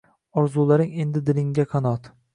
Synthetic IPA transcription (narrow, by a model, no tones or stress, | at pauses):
ɒɾzulˠaɾɪŋe̞nd̪ɪd̪ɪlɪŋɡʲaqʰɑnɒt̪